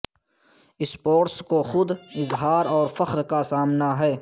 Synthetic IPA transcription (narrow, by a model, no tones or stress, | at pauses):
ɪspoːɾskoxʊd̪ɪzɦaːɾɔːɾfəxɾkasaːmnaɦɛː